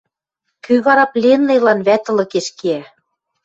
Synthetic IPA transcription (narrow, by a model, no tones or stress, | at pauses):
kyβɑɾɑplʲenːejlɑnβæt̪ɤ̆lɤ̆keʃkeæ